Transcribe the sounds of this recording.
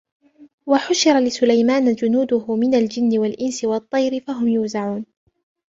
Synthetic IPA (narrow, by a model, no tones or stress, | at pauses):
waħʊʃɪɾˤalɪsʊlajmaːnad͡ʒʊnuːd̪ʊhʊmɪnald͡ʒɪnːɪwalʔɪnsɪwɑt̪ˤːɑjɾɪfaɦʊmjʊːzaʕuːn